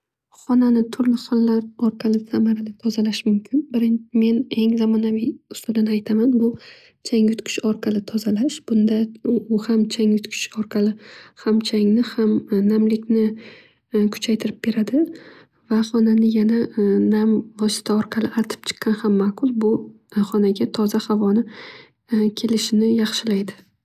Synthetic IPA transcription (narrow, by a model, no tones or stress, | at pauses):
χɒnanɪt̪ʰʊɾlɪχɒllaɾɒɾqʰɑlɪsamaɾalɪt̪ʰɒzalaʃmʊmkʲʰɪnbɪɾɪnme̞ne̞ŋzamɒnavɪjʊst̪ʊd̪anajt̪ʰamanbʊ | t͡ʃʰaŋjʊt̪kʰʲɪ̥ʃɒɾqʰɑlɪt̪ʰɒzalaʃb̥ʊnd̪aʊhamt͡ʃʰaŋjʊt̪kʰʲɪ̥ʃɒɾqʰɑlɪhamt͡ʃʰaŋnɪhamnamlɪkʲnɪ | kʰʊ̥t͡ʃʰajt̪ʰɪɾɪp̚b̥e̞ɾad̪ɪ | vaχɒnanɪjananamvɒsɪ̥t̪ʰaɒɾqʰɑlɪʔat̪ʰɪ̥p̚t͡ʃʰɨ̥qʰːɑnhamːaqʰʊlˠbʊ | χɒnaɡʲat̪ʰɒzahavɒnɪ | kʲʰe̞lɪʃɪnɪjɑχʃɪlajd̪ɪ